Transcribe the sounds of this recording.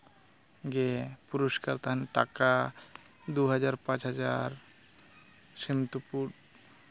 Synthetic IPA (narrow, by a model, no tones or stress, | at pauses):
ɡepuɾoskaɾt̪aɦanʈa̰ka | d̪uɦad͡ʑaɾpãt͡ɕɦad͡ʑaɾ | semt̪upuɾ